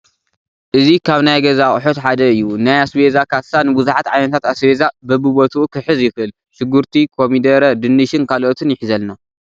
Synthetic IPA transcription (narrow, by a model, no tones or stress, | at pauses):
ʔɨzikʰaβnajɡɐzaχʼħot̪ħad̪ɐɨjːunajasbezakʰasanɨbɨzuħat̪ʕajnɐt̪ʰat̪asbezabɐbɨbot̪ʰuukʰɨħɨzjɪxʔɨl | ʃɨɡːuɾt̪ʰikʰomid̪ɐɾɐd̪ɨnːɨʃɨnkʰalʔot̪ʰɨnjɪħizɐlna